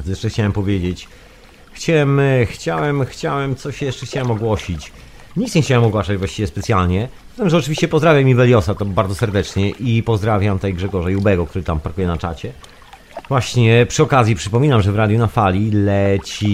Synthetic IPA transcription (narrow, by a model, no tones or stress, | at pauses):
jɛʂɛxt͡ɕawɛmpɔvʲjed͡ʑet͡ɕ | xt͡ɕawɛmxt͡ɕawɛmxt͡ɕawɛmt̪sɔɕjɛʂt͡ʂɛxt͡ɕawɛmɔɡwɔɕit͡ɕ | ɲikt̪ɲext͡ɕawɛmɔɡwaʂad͡ʑvwaɕt͡ɕivʲjɛspɛt̪sʲjalɲɛ̥ | t̪ɛmʐɛɔt͡ʂɘvʲiɕt͡ɕɛpɔzd̪ɾavʲjamʲːivɛlʲjɔsat̪ɔbaɾd̪zɔsɛɾd̪ɛt͡ʂɲɛʔipɔzd̪ɾavʲjamt̪ajɡʐɛɡɔʐajubɛɡɔkt̪uɾɘt̪ampaɾkujɛnat͡ʂa̰t͡ɕɛ | vwaɕɲɛpʂɨɔkazjipʂɘpɔmʲinamʐɛvɾad̪junafalʲilɛt͡ɕi